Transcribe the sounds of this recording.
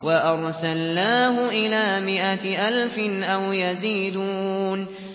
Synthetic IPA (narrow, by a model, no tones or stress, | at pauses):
waʔɑɾˤsalːaːɦʊʔɪlaːmɪʔaʔalfɪnʔawjaziːd̪uːn